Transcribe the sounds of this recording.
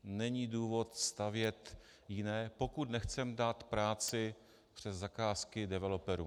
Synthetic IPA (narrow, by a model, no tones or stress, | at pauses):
nɛɲiːduːvo̞t̪st̪avjɛt̪ | jɪnɛːpo̞kut̪nɛxt͡sɛmdaːt̪pɾaːt͡sɪ | pr̥ɛzzːakaːskɪdɛvɛlopɛɾṵ